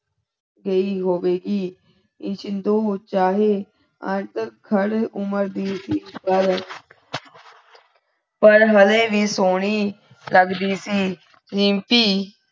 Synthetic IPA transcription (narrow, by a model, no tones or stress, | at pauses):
ɡəiːɦoːʋeːɡiː | ɪt͡ʃnd̪oːt͡ʃaːɦeː | ə̰̃t̪əkʰəɾʊməɾd̪iːsiːpəɾ | pəɾɦəleːʋiːsoːɽiː | ləɡd̪iːsiː | zɪ̃mpiː